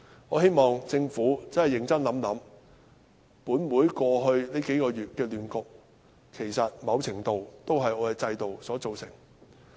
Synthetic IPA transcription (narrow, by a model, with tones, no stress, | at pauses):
ɔː˨˧ɦe˥jmɔː˨ŋt͡sɪ˧ŋfuː˨˥t͡sɐ˥nhɐ˨˩jɪ˨˩ŋt͡sɐ˥nlɐ˨˥mlɐ˨˥m | puː˨˥nmuː˨˥jkɔː˧ɦɵ˧ɥne˥jke˨˥jkɔː˧jyː˨t̚kɛː˧lyː˨nkʊ˨k̚ | kʰe˨˩jsɐ˨t̚mɐ˨˧wt͡sʰɪ˨˩ŋt̪o˨wt̪o˥wɦɐ˨jɔː˨˧kɛː˧t͡sɐ˧jt̪o˨wsɔː˨˥t͡so˨wsɪ˨˩ŋ